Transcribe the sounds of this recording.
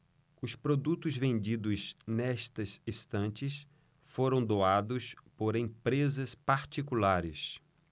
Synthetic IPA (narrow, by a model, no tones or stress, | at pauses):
ʊspɾod̪ut̪ʊzvẽnd͡ʒid̪ʊznɛʃt̪ɐsist̪ɐ̃nt͡ʃɪs | foɾɐ̃w̃d̪oad̪ʊspoɾẽpɾezɐspaɾt͡ʃikulaɾɪ̰s